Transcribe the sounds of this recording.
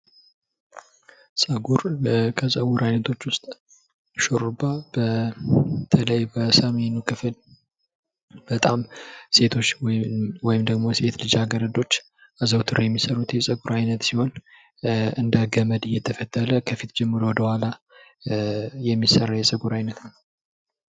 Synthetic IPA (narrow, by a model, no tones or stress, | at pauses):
sʼəɡuɾkʰəsʼəwuɾajnət̪ʰo̞t͡ʃːwʊst̪ʼ | ʃoɾubab̥ə | t̪ʰələjbəsəmenukʰɨfɨl | b̥ət̪ʼamse̞t̪ʰot͡ʃːwɔjɪmd̪əɡmo̞se̞t̪lɨd͡ʒaɡəɾəd̪o̞t͡ʃː | ʔazəwt̪ʰɨɾojɛmːisəɾut̪jɛsʼəɡuɾajnət̪siho̞n | ɨnd̪əɡəməd̪ɨjːɛt̪ʰəfət̪ʰːələkʰəfit̪d͡ʒɛmːɨɾowɔd̪əhʷala | jɛmːisərːajɛsʼəɡuɾajnət̪n